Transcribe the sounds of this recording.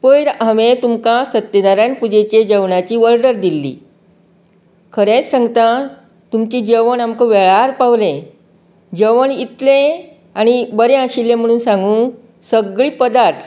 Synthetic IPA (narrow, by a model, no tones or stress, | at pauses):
pəjɾəmet̪umkasət̪ːed̪aɾjãnpud͡ʑet͡ɕed͡ʑəʋɳat͡ɕiːʋəɾɖəɾd̪ilːḭː | kʰəɾẽt͡ssə̃ŋɡt̪a | t̪umt͡ɕiːd͡ʑəʋəɳamkəʋeɭaɾpaʋlẽ | d͡ʑəʋəɳit̪lẽ | aɽ̃ibəɾẽəɕilːẽm̤əɽ̃uːnsãŋɡũː | səɡɭiːpəd̪aɾt̪ʰ